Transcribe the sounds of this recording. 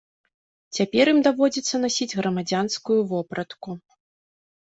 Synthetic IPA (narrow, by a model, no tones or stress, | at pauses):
t͡sʲapʲɛɾimd̪avɔd͡zʲit̪sːɐnasʲid͡zʲɣɾɐmad͡zʲanskujuvɔpɾɐt̪ku